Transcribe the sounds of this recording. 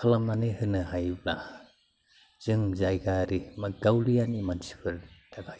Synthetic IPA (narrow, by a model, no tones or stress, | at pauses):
kʰalamanihɯnɯhajbla | z̥ɯŋzajɡaɾimaɡawlijanimansi̥pʰɯɾd̥akʰaj